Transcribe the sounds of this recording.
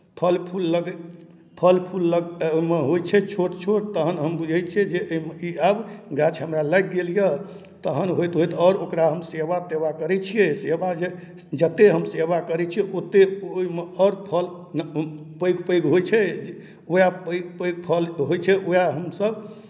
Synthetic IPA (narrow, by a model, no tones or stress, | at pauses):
pʰəlpʰulːəɡ | pʰəlpʰulːəɡomeɦojt͡ʃʰɛt͡ʃʰoʈt͡ʃʰoʈ̚t̪əɦənɦəmbud͡ʒʱət͡ʃʰɛd͡ʒeoimeiabɡat͡ʃʰɦəmɾaləɡɡelijə | t̪əɦənɦojt̪ɦojt̪ɔːɾokɾaɦəmseʋaseʋakəɾɛt͡ʃʰijesebad͡ʒe | d͡ʒət̪ːeɦəmseʋakəɾɛt͡ʃʰijɛʔot̪ːeoimeɔɾpʰəl | n | pəjɡpəjɡɦojt͡ʃʰɛ | ojapəɪɡpəjɡ̚pʰəlɦojt͡ʃʰɛʔojaɦəmsəb